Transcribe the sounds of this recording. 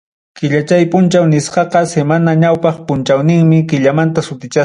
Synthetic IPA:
kɪʎat͡ʃajpʊnt͡ʃawnɪsqɑqɑsemanaɲawpɑχpʊnt͡ʃawnɪŋmɪkɪʎamant̪asʊt̪ɪt͡ʃa

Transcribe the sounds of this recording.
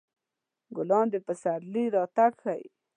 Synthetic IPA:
ɡʊlɑnd̪epəsaɾliɾɑt̪aɡxaj

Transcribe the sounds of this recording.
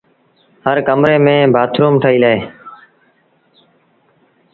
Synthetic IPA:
həɾkəmɾeːmẽːbʱaːt̪ʰɾuːmʈʰəiːləːeː

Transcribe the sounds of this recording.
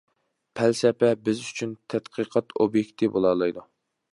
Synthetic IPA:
pʰælsɛpɛbɪzyt͡ʃʰynt̪ʰɛt̪qʰɨqʰɑt̪ʰobjekʲt̪ʰɨvbolˠɑɾlˠɨjd̪u

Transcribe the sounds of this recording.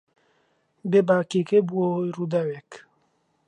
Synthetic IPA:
bebakekebuoɾud̪awɛk

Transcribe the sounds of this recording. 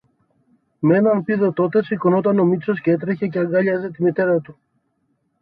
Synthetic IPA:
mee̞nɐnpiðo̞t̪o̞t̪e̞siko̞no̞t̪ɐno̞mit̪t͡so̞scee̞t̪ɾe̞çe̞ceɐŋɡɐʎɐzet̪imit̪e̞ɾɐt̪u

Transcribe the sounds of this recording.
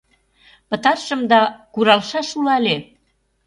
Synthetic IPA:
pə̆t̪ɑrʃə̆md̪ɑkuɾɑlʃɑʃulɑle

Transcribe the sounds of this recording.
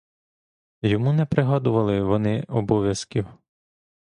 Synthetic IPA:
jɔmunɛpɾɪɦɔd̪ʊʋɐlˠɪʋɔnɪɔbɔʋʲjɐskʲiw

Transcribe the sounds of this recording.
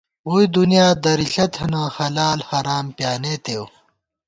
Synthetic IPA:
uid̪unijaːd̪ɐɾiɬɐt̪ʰhɐnãːhɐlaːlhɐɾaːmpjaːneːt̪ew

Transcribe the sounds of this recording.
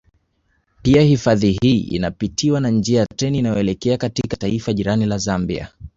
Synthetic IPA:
piahifaðiɦiʔḭnapitʰiwanand͡ʒiajatɛniːnajɔɛlɛkɛakatikataifaʄiɾanilazambḭa̰

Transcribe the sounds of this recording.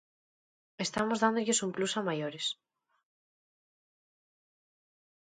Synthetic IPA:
est̪amozðand̪oʎesumplusamajoɾes

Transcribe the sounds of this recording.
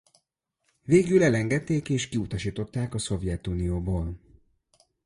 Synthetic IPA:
veːɡylɛlɛŋɡɛt̪ːeːkeːʃkiut̪ɒʃiːt̪o̞t̪ːaːkɒso̞vjɛt̪uːnijoːboːl

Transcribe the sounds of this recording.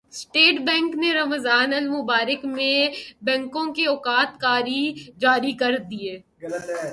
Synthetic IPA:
sʈeːʈbɛ̃ːŋkneɾɐmzaːnɐlmʊbaːɾəkmẽbɛ̃ːŋkõkeɔːkaːt̪kaːɾid͡ʒaːɾikɐɾd̪ieː | l

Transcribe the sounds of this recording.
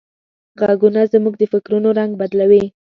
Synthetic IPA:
ɣaɡunazmuɡ̚d̪əfɪkɾunoɾaŋɡ̚bad̪lawi

